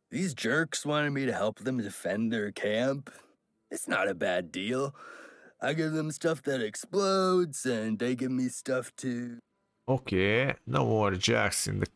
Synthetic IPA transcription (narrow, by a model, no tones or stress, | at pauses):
ðizd͡ʒɜ˞kswɑ̃ñɨd̚miɾɨhɛlˠp̚ðə̃mdɨfɛ̃nðə˞kʰæ̃mp | ɨtsnə̰ɾɨbædilˠʔaɪɡɪvðə̃mstʌfðɨɾɨksploʊdz̥ɨ̃nðeɪɡɪvmistʌftʰɨ | oʊkʰenoʊmɾɨd͡ʒæ̰ksɨ̰̃nðɨ